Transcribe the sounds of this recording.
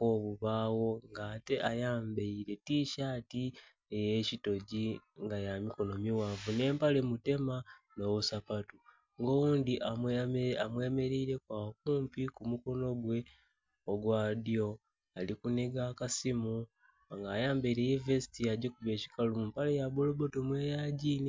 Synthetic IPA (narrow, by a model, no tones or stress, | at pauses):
koβuβaːwo̞ŋɡaːte̞ʔajaːmbeiɾe̞tiʃaːti | eje̞cito̞ɟiŋɡajamiko̞no̞miwavune̞ːmpale̞mute̞mano̞βusapatu | ŋɡo̞wuːndiʔaamwe̞ːme̞ɾiiɾe̞kwaːkuːmpikumuko̞no̞ɡwe̞ | oɡwaːdio̞ | alikuneɡaːkasimu | ŋɡaːjaːmbeiɾe̞jevesi̥tiaɟekuβe̞ːci̥kalumumpale̞jabolo̞bo̞to̞mwe̞ːjaːɟiːni